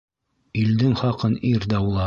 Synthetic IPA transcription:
ild̪ɘŋχɑqɤniɾd̪æulˠɑ

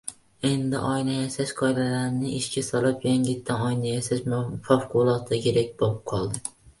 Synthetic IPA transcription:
e̞nd̪ɪ̰ʔɒjnajaʃaʃqʰɒjlalaɾnɪʔɪʃkʲasɒlˠapjaŋʲɪt̪ʰːanɒjnajasaʃfafqʰʊlˠɒt̪ʰɪkʲʰe̞ɾak̚ʲbolɪp̚qʰɒlˠd̪ɪ

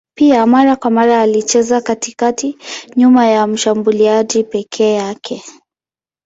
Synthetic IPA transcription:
piamaɾakwamaɾaːlit͡ʃɛzakatikatiɲumajam̩ʃambuliaʄipɛkʰɛːjakʰɛ

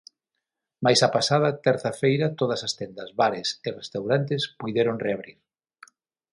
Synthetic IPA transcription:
majsɐpasað̞ɐt̪ɛɾθɐfejɾɐt̪oð̞ɐsɐst̪ɛnd̪ɐzβaɾesɪrest̪awɾant̪ɪspujðeɾoŋreaβɾiɾ

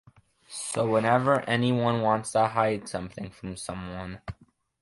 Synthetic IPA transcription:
soʊwə̃nɛvə˞ʔɛniwʌ̃nwɑ̃ntstʰəɦaɪd̥sʌ̃mθɪ̃ŋfɹʌ̃msʌ̃mwʌ̃n

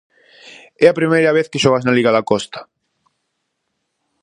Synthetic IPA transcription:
ɛɐpɾimejɾɐβ̞eθkeʃɔɣaznaliɣaðakɔst̪ḁ

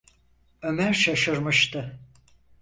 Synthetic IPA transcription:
ø̞mæɾʃaʃɯɾmɯʃt̪ʰɯ

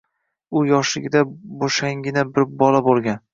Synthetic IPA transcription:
ʊjɒʃɪɡʲɪd̪aboʃaŋɡʲɪnabɪɾbɒlabolˠɡʲan

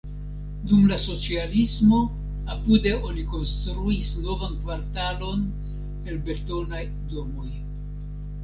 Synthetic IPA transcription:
dumlaso̞t͡sialismo̞ | apude̞o̞niko̞nstɾuisno̞vankvaɾtalo̞n | e̞lbe̞to̞naj | do̞mo̞j

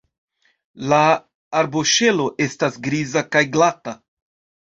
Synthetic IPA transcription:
laː | ɾbo̞ʃe̞lo̞ʔe̞stasɡɾizakajɡlata

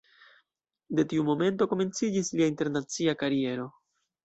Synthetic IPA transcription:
de̞tiumo̞me̞nto̞ko̞me̞nt͡sid͡ʒisliainte̞ɾnat͡siakaɾie̞ɾo̞

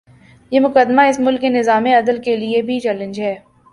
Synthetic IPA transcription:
jeːmʊkəd̪maɪsmʊlkːenɪzaːmẽɐd̪əlkeliebʱit͡ʃɛːlə̃nd͡ʒɦɛː

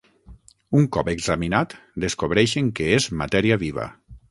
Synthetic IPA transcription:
uŋkɔpeɡzaminat̪d̪eskoβɾɛʃeŋkeezma̰t̪ɛɾiaβiβa̰

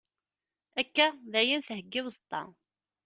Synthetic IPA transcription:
ækːæðæjinθhəɡːɪwzˤt̪ˤːɑ̰

